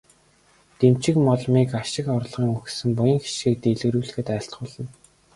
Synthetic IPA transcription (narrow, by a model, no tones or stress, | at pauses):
t̪emt͡ɕɪ̆kmɔɮmiːkaʃɪ̆kɔrɮʁiːŋuxsɘ̆mpʊjĭŋxe̥ʃɡiːk̚t̪eɮɣɘ̆ɾuːɮɘ̆xɘ̆t̪æːɬt̪ɢʊːɮə̆n